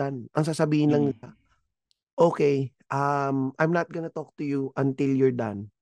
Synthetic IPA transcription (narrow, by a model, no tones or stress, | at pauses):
anʔɐŋs̬aːsɐbiːhɪnlɐŋnɪla | ʔoːkɛjʔamʔajmnɐt̪̚ɡɐnɐt̪ok̚t̪ʊjuʔɐ̃nt̪ɪljʊɹd̪a̰n